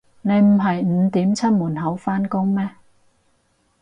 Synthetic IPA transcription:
ne˨˧jm̩˨˩ɦɐ˨jm̩˨˧t̪iː˨˥mt͡sʰɐ˥t̚muː˨˩nɦɐ˨˥wfaː˥nkʊ˥ŋmɛː˥

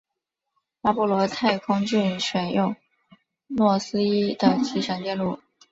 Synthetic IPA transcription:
la˧˥pu˥˩lwɔ˧˥t̪ʰa˥˧ɪkʰʊ˥ŋt͡ɕy˥˩nʂɥɛ˨˩njo˥˩ʊ | mwɔ˥˩sɹ̩˥i˥d̪ə˨t͡ɕʰi˧˥ʂjɑ˧˩ŋt͡ɕ̪jɛ˥˧nlu˥˩

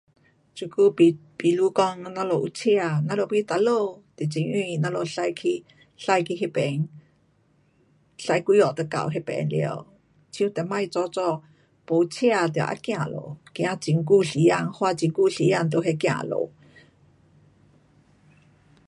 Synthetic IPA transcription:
t͡ɕu˨˩ku˧pi˨lu˧˦kɔ˧ŋnã˧˦lo˧˨ʔu˧˦t͡ɕʰi˧a˧˨nã˧˦lo˧˨ki˧˦t̪a˧˦lo˧˨t̪i˨t͡ɕi˨˦ŋʔĩ˧˨nã˧˦lo˧˨ɬa˧jkʰi˧ | ɬa˧jkʰi˧ɦe˧pɛ˨ŋ | ɬa˧jkwi˧˦ɔ˨t̪ə˧ka̰˨wɦe˧˥pɛ̰˨˧˦nlḭ˧˨ə˧˦w | t͡ɕʰjũ˧˦t̪ɛ˨ma˥˧jt͡sɔ˧˦t͡sɔ˧˨ | po˨˦t͡ɕʰi˦˧a˧t̪i˨a̰˨˩ʔa̰˧kj̃ã˧˨lo̰˨kj̃ã˧˦t͡ɕi˧˦ŋku˧ɬi˨˦ja˧˨ŋhwa˧t͡ɕi˧˦ŋku˧˨ɬi˨˦ja˧˨ŋt̪̬o˧˨ɦe˧kj̃ã̰˧ʔlo̰˨

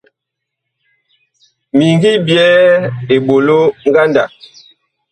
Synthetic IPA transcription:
mi˨ŋɡi˦bjɛː˦e˨ɓo˨lo˦ŋ˦ɡa˦nda̰˨

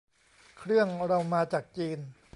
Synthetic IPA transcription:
kʰɾɯ˥˩əŋɾa˧wmaː˧t͡ɕaː˨˩k̚t͡ɕiː˧n

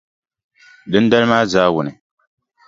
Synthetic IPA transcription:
dɨ˦n˦da˦lɨ˦maː˦zaː˦wʊ˨nɨ˨

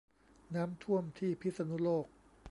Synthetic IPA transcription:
naː˦˥mt̪ʰu˥˩əmt̪ʰiː˥˩pʰi˦˥t̪̚sa˧nu˦˥loː˥˩k̚

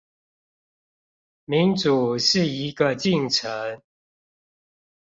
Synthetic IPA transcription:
mi˨˦nt͡su˨˩ʂɻ̩˥˩i˧˦ɡə˧t͡ɕi˥˨ŋʈ͡ʂʰə˨˦ŋ

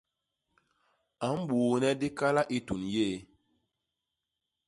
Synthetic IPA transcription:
a˨˦m˦ɓuː˨nɛ˦di˦ka˦la˦ʔi˦tu˨nje˦˨

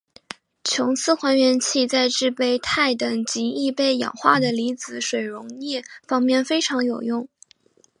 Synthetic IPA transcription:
t͡ɕʰjʊ˧˥ŋt͡sʰɹ̩˥˧xwa˧˥nɥɛ˧˥nt͡ɕʰi˥˧t͡sa˥˧ɪʈ͡ʂɻ̩˥˧pe˥˧ɪt̪ʰa˥˩ɪt̪ɤ˨˩ŋt͡ɕi˧˥i˥˧pe˥˩ɪjɑ̰˨˩ŋxwa˥˩d̪ə˩li˧˥t͡sɹ̩˧˩ʂwe˨˩ɪɻʊ˧˥ŋnjɛ˥˩fɑ˥ŋmjɛ˥˩nfe˥ɪʈ͡ʂʰɑ˧˥ŋjo˨˩ʊjʊ˥˩ŋ

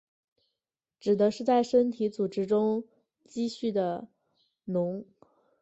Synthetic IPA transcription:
ʈ͡ʂɻ̩˨˩d̪ə˧˦ʂɻ̩˥˧t͡sa˥˩ɪʂə˥nt̪ʰi˧˥t͡su˨˩ʈ͡ʂɻ̩˥ʈ͡ʂʊ˥ŋ | t͡ɕi˥˧ɕy˥˩d̪ə˩ | nʊ˧˥ŋ

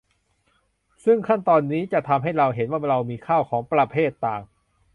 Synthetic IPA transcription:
sɯ˥˩ŋkʰa˥˩nt̪ɔː˧nːiː˦˥t͡ɕa˨˩t̪ʰa˧mɦa˥˩jɾa˧wɦe˩˦nwaː˥˩ɾa˧wmiː˧kʰaː˥˩wkʰɔː˩˦ŋpɾa˧pʰeː˥˩t̪ːaː˨˩ŋ

